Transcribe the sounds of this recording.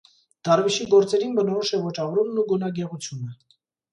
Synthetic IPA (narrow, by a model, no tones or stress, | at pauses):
d̪̥ɑrviʃiɡɔɾt͡sɛɾinbənɔɾɔʃɛvɔt͡ʃɑvɾumnuɡunɑɡɛʁut͡sʰjunə